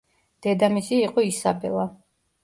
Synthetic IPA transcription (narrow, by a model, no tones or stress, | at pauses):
d̪̥ɛd̪amisiːqʼɔisabɛ̰lˠa